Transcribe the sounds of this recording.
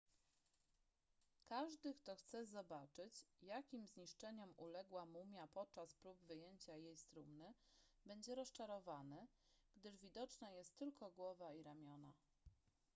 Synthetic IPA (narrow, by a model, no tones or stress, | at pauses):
kaʐd̪ɘkt̪ɔxt̪sɛzɔbat͡ʂɘt͡ɕjakʲimzɲiʂt͡ʂɛɲɔmʔulɛɡwamumʲjapɔt̪̚t͡ʂaspɾubvɘjeɲt͡ɕajejst̪ɾumnɘbɛɲd͡ʑɛɾɔst͡ʂaɾɔvanɘ | ɡ̥d̪ɘʐvʲid̪ɔt͡ʂnajɛst̪ːɘlkɔɡwɔvaiɾamʲjɔna